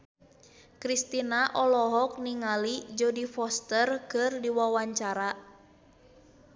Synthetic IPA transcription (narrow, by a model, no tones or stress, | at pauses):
kɾist̪inaʔɔlɔɦɔk̚niŋalid͡ʒodifɔst̪ərkɨrdiwawaɲt͡ʃaɾa